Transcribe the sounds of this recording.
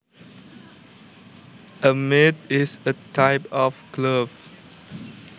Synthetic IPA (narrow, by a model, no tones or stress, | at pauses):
əmetɪsətʰaɪpɔfkləv